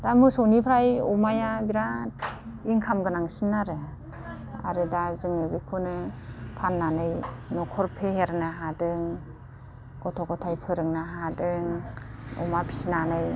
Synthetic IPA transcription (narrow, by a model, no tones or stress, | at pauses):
d̥amɯsɔnipʰɾajɔmajabiɾat̚ | iŋkʰamɡɯnaŋsinːaɾɯ | a̰ɾɯdazɯŋɯbikʰunɯpʰanːanɯjnɔkʰɔɾpʰeɦeɾnɯɦadɯŋ | ɡ̥ɔtʰɔɡɔtʰajpʰɯɾɯŋnaɦadɯŋɔ̰mapʰi̥sinanɯj